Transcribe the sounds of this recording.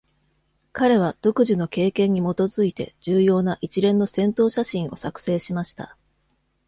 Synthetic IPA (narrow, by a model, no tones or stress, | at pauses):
kaɾe̞β̞ad̪̥o̞kɯ̟ʑino̞ke̞ːkẽ̞ɲ̟ːimo̞t̪o̞zɨit̪e̞d͡ʑɨːjo̞ːnaʔit͡ɕiɾẽ̞nːo̞sẽ̞nt̪o̞ːɕaɕĩɰ̃o̞̰sakɯ̟̥se̞ːɕimaɕi̥t̪a̰